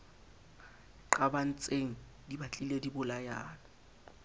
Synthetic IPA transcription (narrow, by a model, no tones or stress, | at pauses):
ǃaban̩t͡sʼeŋ̩ | dibat͡ɬʼiledibʊlajaːlɔ